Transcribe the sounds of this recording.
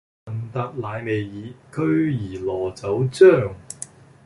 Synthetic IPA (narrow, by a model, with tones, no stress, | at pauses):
ɐ˨nt̪ɐ˨˧k̚laː˨˧jme˨jjiː˨˥kʰɵ˥ɥjiː˨˩lɔː˨˩t͡sɐ˨˥wt͡sœː˥˩ŋ